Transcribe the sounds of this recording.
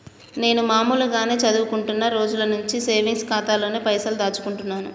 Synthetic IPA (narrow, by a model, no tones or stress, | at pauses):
ne̞ːnumaːmuːlɐɡaːne̞ːt͡ʃɐd̪uʋukuɳʈunːaɾo̞ːd͡ʒulɐnuɲt͡ʃiseːʋiŋskaːt̪aːlo̞ːneːpɐjsɐld̪aːt͡ʃu̥kuɳʈunːaːnṵ